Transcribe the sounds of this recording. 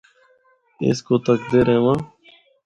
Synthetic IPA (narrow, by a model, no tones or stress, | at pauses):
ɪ̰skot̪ək̚d̪eɾẽʋãː